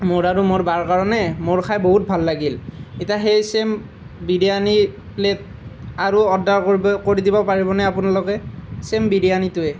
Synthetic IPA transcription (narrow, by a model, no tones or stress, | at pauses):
moɹaɹumoɹbaɹkaɹɔnɛmoɹkʰajboɦut̚bʱalːaɡiletiaxejsem | bidiani | plet̚ | aɹuɔdːaɹkoɹidibɔpaɹibɔnɛapunalɔkɛsembidijanitʊɛ